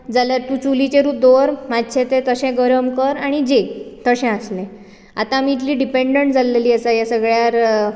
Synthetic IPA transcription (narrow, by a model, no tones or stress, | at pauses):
d͡zaljaɾt̪uːt͡ɕulit͡ɕeɾuːd̪oɾmad̪t͡ɕʰẽt̪et̪əɕɛ̃ɡəɾəmkəɾaɽ̃id͡ʑet̪əɕɛ̃aslẽ | a̰t̪ãmit̪liːɖipeɳɖəɳʈd͡zalːeliːəsajasəɡɭjaɾ